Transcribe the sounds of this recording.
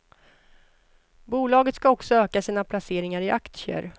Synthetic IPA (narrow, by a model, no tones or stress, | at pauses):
buːlɑːɡət̪skaɔksɔøːkasiːnapʰlaseːɾɪŋaɾɪʔakt̪sɪə̰ɾ